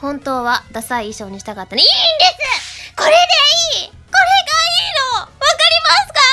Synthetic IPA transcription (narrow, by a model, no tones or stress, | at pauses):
hõ̞nt̪o̞ːβad̪asaiːɕo̞ːɲ̟iɕi̥t̪akat̪ːanoĩːnd̪e̞sɨko̞ɾe̞d̪e̞iː | ko̞ɾe̞ɡaiːnoβakaɾʲimasɨ̥ka